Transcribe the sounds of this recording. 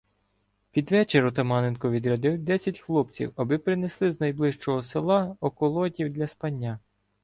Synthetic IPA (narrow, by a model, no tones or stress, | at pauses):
pʲid̪ʋɛt͡ʃeɾɔt̪ɐmɑnenkɔʋʲid̪ɾɐd̪ɪwd̪ɛsʲɐtʲxlˠɔp̚t͡sʲḭwɐbɪpɾɪneslˠɪznɐjblˠɪʃt͡ʃɔɦɔselˠɑɔkɔlˠɔdʲiwd̪lʲɐspɐnʲːa